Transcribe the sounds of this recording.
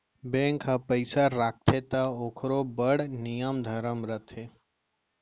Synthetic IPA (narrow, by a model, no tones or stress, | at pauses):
bẽːŋkʰːapəɪsaɾaːk̚t̪ʰet̪aoːkʰɾobəɽnijəmd̪ʱəɾəmɾət̪ʰɦeː